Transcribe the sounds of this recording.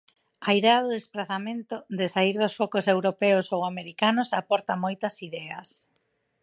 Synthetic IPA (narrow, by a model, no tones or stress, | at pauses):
ɐiðeɐðʊðespɾaθamẽnt̪ʊðɪsaiɾðʊsfɔkosewɾopɛʊsowameɾikanʊsapɔɾt̪ɐmojt̪ɐsiðɛɐs